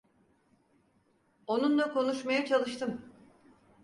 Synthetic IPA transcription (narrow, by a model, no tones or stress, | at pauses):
o̞nunlˠakʰo̞nuʃmajat͡ʃʰalˠɯʃt̪ʰɯm